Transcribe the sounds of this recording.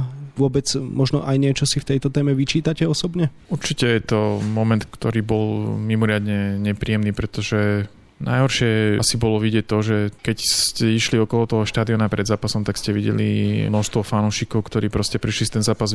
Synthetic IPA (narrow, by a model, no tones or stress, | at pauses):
ʋʊɔbɛd͡zmɔʒnɔ̰ʔajɲɪɛt͡ʃɔsift̪ɛjt̪ɔt̪ɛːmɛʋit͡ʃiːt̪acɛɔsɔbɲɛuɾt͡ʃicɛjɛt̪ɔmɔmɛnt̪kt̪ɔɾiːbɔlmimɔɾɪad̪ɲɛɲɛpɾiːɛmniːpɾɛt̪ɔʒɛ | nʔa̰jɦɔɾʃɪɛasibɔlɔʋiɟɛc̚t̪ɔʒɛkɛcscɛiʃliɔkɔlɔt̪ɔɦɔʃt̪aːd̪iɔnapɾɛd̪zaːpasɔmt̪akscɛʋiɟɛ̰lḭnɔʃst̪ʋɔfanuːʃikɔʊkt̪ɔɾiːpɾɔscɛpɾiʃlist̪ɛnzaːpaz